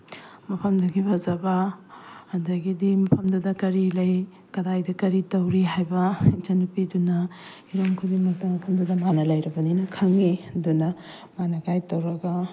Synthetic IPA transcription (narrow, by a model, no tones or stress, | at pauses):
mɐpʰɐmdɐɡibɐzɐbɐː | dɐɡidimɐpʰɐmdudɐkɐɾilɐj | kɐdajdɐkɐɾitɐwɾiɦajbɐit͡ʃɐnupidunɐ | iɾomkʰudiŋmɐk̚tɐmɐpʰɐmdudɐmanɐlɐjɾɐbɐninɐkʰɐŋidunɐ | manɐɡajtɐwɾɐɡɐ